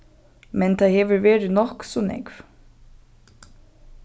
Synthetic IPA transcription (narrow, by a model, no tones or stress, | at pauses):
mɛnt̪ʰaðhɛːʋʏɾveːɾɪnɔhksɔnɛ̰kv